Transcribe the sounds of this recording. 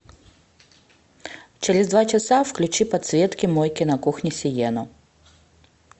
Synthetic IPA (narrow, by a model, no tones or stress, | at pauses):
t͡ɕeɾʲɪzd̪vat͡ɕasafklʲʉt͡ɕipɐt̪svʲet̪kʲimɔjkʲɪnɐkuxnʲɪsʲɪjɛnʊ